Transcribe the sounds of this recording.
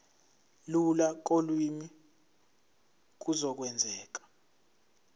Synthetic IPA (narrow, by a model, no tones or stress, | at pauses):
lulak̬ʼolwimi | k̬uzɔk̬wɛnd͡zʱɛːk̬ḁ